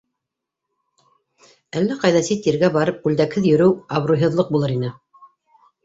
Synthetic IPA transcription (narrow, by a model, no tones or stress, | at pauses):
ælːæqɑjðɑsit̪ːiɾɡæbɑɾɤp̚qʉld̪ækhɘðjɵ̆ɾɘwɑβrujɦɤ̆ðlˠɤq̚bulˠɤɾinɘ